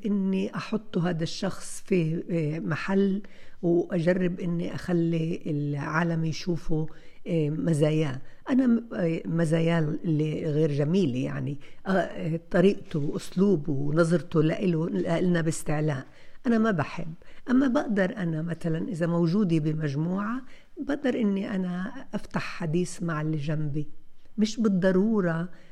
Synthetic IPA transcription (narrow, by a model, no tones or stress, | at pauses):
ʔɪnːiʔɑħʊt̪ˤːuɦaːd̪aʃːɑxsˤfimaħalː | wʔaʒarːɪbʔɪnːiʔaxalːiɪlʕaːlamjʃuːfu | mazaːjaːʔanamazaːjaːlɪlːiɣeːɾʒamiːlja̰ʕniʔt̪ˤɑɾiːʔt̪ʊwʔʊsluːbwwnɑzˤɾt̪ʊlaʔɪlʊlaʔɪlnabɪst̪ɪʕlaːʔ | ʔanamabaħɪ̰bːʔamːabaʔd̪ɑɾˤʔanamat̪alanʔɪzamawʒuːd̪ibɪmaʒmuːʕa | baʔd̪ɑɾˤʔɪnːiʔanaʔaft̪aħːad̪iːsmaʕɪlʒambimɪʃbɨd̪ˤːɑɾˤuːɾˤɑ